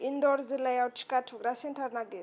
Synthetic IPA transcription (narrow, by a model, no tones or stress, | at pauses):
indɔɾzilajaut͡ʃʰi̥katʰuɡɾasɛntʰaɾnaɡe